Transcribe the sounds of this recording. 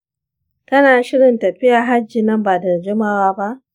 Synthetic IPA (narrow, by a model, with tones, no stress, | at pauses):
tɐ˦naː˨ʃɪ˦ɽɪ˨ntɐ˨ɸɪ˦jaː˨ɦa˦d͡ʒːɪ˨nɐ˦mbaː˨dɐ˨d͡ʒɪ˦maː˦waː˦ba˦ʔ